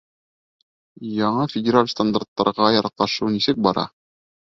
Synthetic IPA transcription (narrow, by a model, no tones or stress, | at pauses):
jɒɴɤfʲɪdʲɪɾalʲst̪and̪art̪ːɑɾʁɑjɒɾɑqɑʃɤwnisɘk̚bɒɾɑ̰